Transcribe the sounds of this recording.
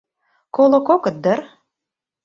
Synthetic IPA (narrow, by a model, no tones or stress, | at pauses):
kolŏkokə̆t̪̚d̪ər